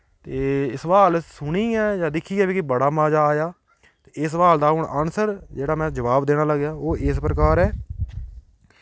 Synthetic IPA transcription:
t̪eːɪsʋaːlsʊɳiːɛːd͡ʒaːd̪ɪkʰːiːɛːbiːkɪbəɽaːmaːd͡ʒaːjaː | t̪eːɪsʋaːld̪aːɦʊɳənsəɾd͡ʒeːɽaːmɛ̃ːd͡ʒəʋaːbd̪eːɽaːləɡjaːoːʔɪspɾəkaːɾɛː

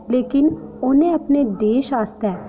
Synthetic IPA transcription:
leːkɪnʊnẽəpneːd̪eːʃaːst̪ɛː

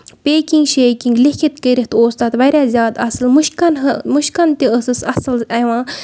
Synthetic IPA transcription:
peːkiŋɡʃeːkiŋɡlikʰit̪kəɾiɦt̪oːst̪at̪ʋɐɾʲjaːzʲjaːd̪ɐsɐlmuʃkɐnɦɐmuʃkɐnt̪iəsɨsɐsɨlɐjʋãː

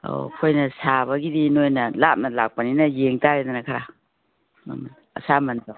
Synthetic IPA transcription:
o̰kʰojnɐsaβɐɡidinojnɐlap̚nɐlak̚pɐninɐjeŋtaɾed̪ɐnɐkʰaɾa̰ | m | ɐ̰samɐnta

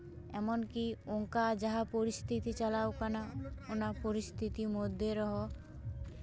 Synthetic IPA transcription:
ɛmonkioŋkad͡ʒaɦapoɾist̪ʰit̪it͡ɕalawkanaonapoɾist̪ʰit̪imod̪ʱːeɾɔɦɔ

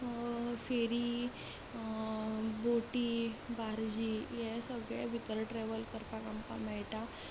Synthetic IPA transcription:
feɾi | boʈibaɾd͡ʑijɛsəɡɭɛbʱit̪əɾʈɾeʋəlkəɾpakampa̰mɛjʈa

